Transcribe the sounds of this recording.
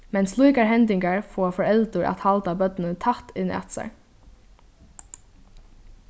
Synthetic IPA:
mɛnslˠujkaɹɦɛnt̪ɪŋkaɹfɔːfɔɹɛlt̪ʊɹʔa̰t̪halt̪abœt̪nət̪ʰat̪ɪna̰t̪sa̰ɹ

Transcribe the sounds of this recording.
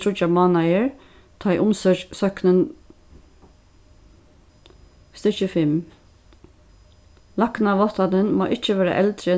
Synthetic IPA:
ʊt͡ʃamɑːnajəɹ | t̪ʰɑɪʔʊmsœːt͡ʃsœknən | st̪ɪt͡ʃəfɪm | laknaʋɔt̪anənmo̰ːʔɪt͡ʃəʋɛːɾa̰ʔɛlt̪ɾə

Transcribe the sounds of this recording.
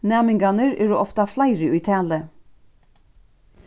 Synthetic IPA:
nɛːmɪŋɡanəɹɛ̰ːɾuʔɔft̪ɑflaɪɾɪʉt̪ʰæːlə

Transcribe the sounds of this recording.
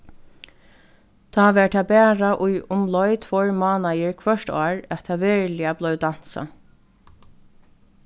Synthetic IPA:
t̪ʰɑːʋɛːɹʈ̪ʰaːbæːɹaʔʊjʊmlɔjt̪ʰvɔɹmɑːnajɪɹkʰvœʃtɑːɹæt̪ʰaʋɛːɹlɪablœwd̪an̥sa̰

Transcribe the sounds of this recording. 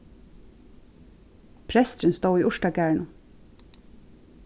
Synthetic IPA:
pʰɾɛst̪ɾənst̪oːiːʔʊʃʈaɡæːɹɳʊ

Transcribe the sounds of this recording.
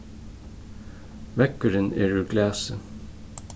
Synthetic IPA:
ʋɛkəɾənḛːɹʉːɡlæːsə

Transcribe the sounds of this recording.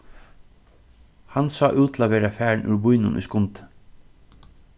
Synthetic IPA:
hansɑːʔʉːt̪ʰlaʋɛːɾafæːɹnʔʉ̰ɹbujnʊ̰nʔṵjskʊnt̪

